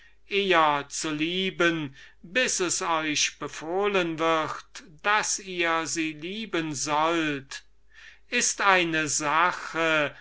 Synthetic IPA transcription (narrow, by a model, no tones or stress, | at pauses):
ʔeːɐt͡suliːbən | bɪsɛsɔʏʃb̥əfoːlənvɪʁtd̥asiːɐziːliːbənzɔlt | ʔɪstaɪnəzaχə